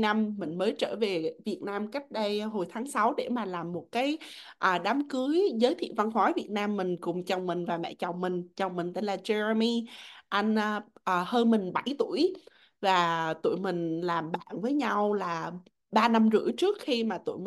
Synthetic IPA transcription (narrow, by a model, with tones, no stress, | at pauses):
na˧mːï˨˩ŋ̟məː˨˦jt͡ɕəː˧˩ve˨˩vi˨˩ət̚naː˧mka˦˥jk̟̚ɗə˧jɦo˨˩jt̪ʰaː˨˦ŋsa˨˦wɗe˧˩maː˨˩laː˨˩mːo˨˩t̚kaː˨˦j | ʔəː˨˩ɗaː˨˦mkɨ˨˦əjzəː˨˦jt̪ʰḭ˧˨va˧nxɔ˨˦jvi˨˩ət̚naː˧mːï˨˩ŋ̟kʊ˨˩ŋ͡mt͡ɕɔ˨˩wŋ͡mmï˨˩ŋ̟vaː˨˩mɛ̰˧˥t͡ɕɔ˨˩wŋ͡mmï˨˩ŋ̟t͡ɕwŋ͡mmï˨˩ŋ̟t̪e˧nlaː˨˩t͡ɕɛ˧ɹə˧mi˧ʔa˧jŋ̟ʔʔəː˨˩həː˧nmï˨˩ŋ̟ɓa˧˩jt̪u˧˩əj | vaː˨˩t̪ṵ˧˨əjmï˨˩ŋ̟laː˨˩mɓa̰ː˧˨nvəː˨˦jɲa˧wlaː˨˩ | ɓaː˧na˧mzɨ̰˧˥ət͡ɕɨ˦˥ək̚xi˧maː˨˩t̪ṵ˧˩əjm˨